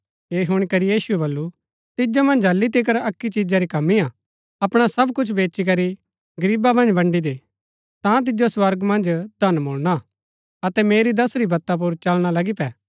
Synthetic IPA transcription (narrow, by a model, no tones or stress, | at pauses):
eːɦʊɽ̃ikɐɾijiːsuɛbɐlːu | t̪ɪd͡ʒomɐ̃nd͡ʒɦɐlːit̪̬ik̬əɾɐkːit͡ʃid͡ʒaɾikɐmːia | ɐpɽ̃asɐbkʊt͡ʃʰbeːt͡ʃik̬ɐɾi | ɡɐɾiːbamɐ̃nd͡ʒbɐ̃ɳɖid̪e | t̪ãt̪̬ɪd͡ʒoswɐɾɡmɐ̃nd͡ʒd̪ʱɐnmʊːlɽ̃a | ɐt̪ɛmeːɾid̪ɐsɾibɐt̪ːap̬ʊɾt͡ʃɐlɽ̃alɐɡipɛː